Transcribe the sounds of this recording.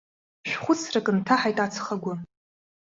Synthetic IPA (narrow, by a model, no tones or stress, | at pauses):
ʃᶣʷχʷʊt͡sʰrakʼɨntʰaħajtʼat͡sʰχaɡʷa